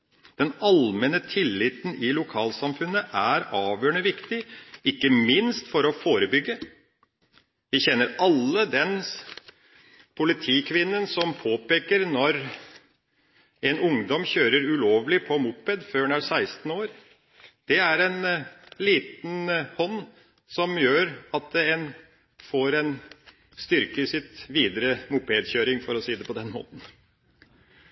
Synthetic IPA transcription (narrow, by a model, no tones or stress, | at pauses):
d̪̥ɛnɑlmɛnət̪ʰɪlːɪt̪nɪlʊkʰɑːlsɑmfʉnːəʔæɾɑːʋjøːəɳəʋɪkt̪ɪɪkːəmɪnst̪fɔɾɔfoːɾəbʏɡːə | ʋɪçɛnːəɾɑlːəd̪ɛn | pʰʊlɪt̪ʰiːkʰʋɪnːənsɔmpʰoːpeːkəɾnɔɾ | ɛnʊŋd̪ɔmçøːɾəɾʉloːʋlɪpʰɔmʊpːɛd̪føːɳæɾsæɪst̪n̩oːɾ | d̪̥ɛæɾɛnliːt̪n̩hɔnː | sɔmjøːɾɑt̪̚d̪ɛɛn | foːɾɛn | st̪ʏɾkəɪsɪt̪ʋiːd̪əɾəmʊpeːd̪çøːɾɪŋfɔɾɔsiːd̪ɛpʰɔd̪ɛnmo̰ːt̪n̩